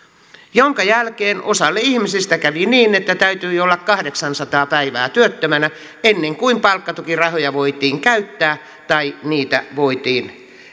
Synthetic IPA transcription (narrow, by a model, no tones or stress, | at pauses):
joŋkɑjælkeːnosɑlːeihmisist̪ækæʋiniːnet̪ːæt̪æyt̪yːolːɑkkɑhdeksɑnsɑt̪ɑːpæiʋæːt̪yøt̪ːømænæ | enːeŋkuimpɑlkːɑt̪ukirɑhojɑʋoit̪iːŋkæyt̪ːæː | t̪ɑiniːt̪æ̰ʋoit̪iːn